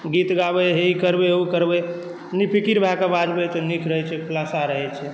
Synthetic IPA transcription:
ɡit̪ɡabeɦeikəɾbeukəɾbe | nipʰikiɾbʱakebad͡ʒbet̪ɔnikʰɾəɦɛt͡ʃʰɛkʰlasaɾəɦɛt͡ʃʰɛ

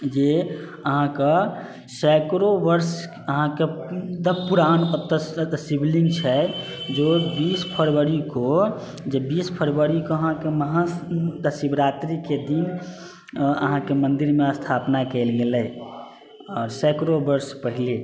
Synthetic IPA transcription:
d͡ʒe | əɦãkə | sɛkɾobəɾs | əɦãked̪əbpuɾanət̪ːəsibliŋɡt͡ʃʰɛ | d͡ʒobispʰəɾʋəɾiko | d͡ʒebispʰəɾʋəɾikoəɦãkeməɦãt̪əsibɾat̪ɾiked̪in | ə̰ɦãkemənd̪iɾmeəst̪ʰapnakɛɪlɡeləj | ɔːɾsɛkɾobəɾspəɦile

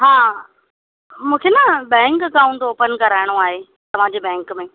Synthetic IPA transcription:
ɦaː | mũːkʰenɐbɛ̃ːŋkəkaːũɳʈoːpənkɐɾaːɪɽ̃oaːɦe | t̪ɐʋ̤ãːd͡ʑebɛ̃ːŋkmẽ

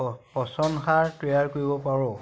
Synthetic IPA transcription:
pɔsɔnxaɹtejaɹkoɹibɔpaɹɔ

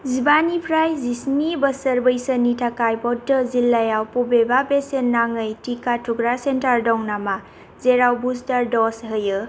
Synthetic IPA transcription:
zibanipʰɾajzisnibəsəɾbəjsənːitʰakajbɔdəzilːajawpubebabesenːaŋəjtikatuɡɾasentaɾdɔŋnama | zeɾawbustaɾdɔsɦɯjɯ

